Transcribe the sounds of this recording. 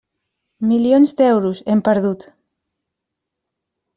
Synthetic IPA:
miljonzd̪ɛwɾusempeɾðut̪

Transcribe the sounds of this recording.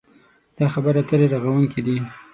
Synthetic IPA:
d̪̥ɑxabəɾat̪əɾeɾaɣawuŋkid̪i

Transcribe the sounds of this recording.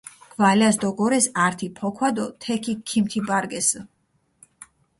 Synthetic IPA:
ɡ̥valasd̪ɔɡɔɾɛsaɾt̪ʰipʰɔkʰwad̪ɔt̪ʰɛkʰikʰimt̪ʰibaɾɡɛs

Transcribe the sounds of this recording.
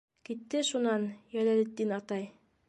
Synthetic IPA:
kit̪ːɘʃunɑnjælælɘ̆t̪ːinɑt̪ɑj

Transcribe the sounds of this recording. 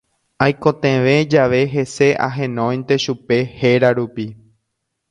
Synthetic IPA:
ajkõt̪ẽʋẽd͡ʒaʋe̞ɦe̞se̞ʔa̰ɦẽnõj̃nt̪e̞ʃupe̞heɾaɾupi

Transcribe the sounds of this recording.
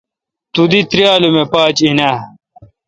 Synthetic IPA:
t̪ud̪it̪ɾjaːlumepaːt͡ɕinaː

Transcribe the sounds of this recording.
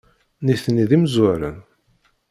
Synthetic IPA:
niθniðimzwæɾə̰n

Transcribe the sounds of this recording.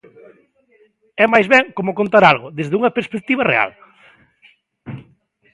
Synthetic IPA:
ɛmajzβɛŋkomʊkont̪aɾalɣʊðezðuŋɐpeɾspek̚t̪iβɐrḛa̰l

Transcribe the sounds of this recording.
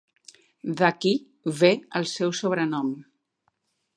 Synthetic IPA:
ðaki | βeəlˠsɛwsoβ̞ɾənɔm

